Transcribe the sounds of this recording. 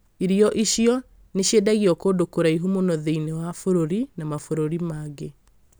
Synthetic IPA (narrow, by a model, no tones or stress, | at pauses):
iɾiɔʔiɕiɔ | neɕjedaɣiɔkodokoɾaiɦumonɔðeinewafoɾoɾinamafoɾoɾimaɣe